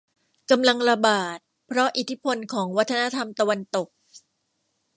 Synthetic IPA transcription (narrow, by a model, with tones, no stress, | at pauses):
ka˧mla˧ŋɾa˧baː˨˩t̪̚ | pʰɾɔ˦˥ʔi˨˩t̪ʰi˦˥pʰo˧nkʰɔː˩˦ŋwa˦˥t̪ʰːa˧na˦˥t̪ʰa˧mt̪a˧wa˧nt̪o˨˩k̚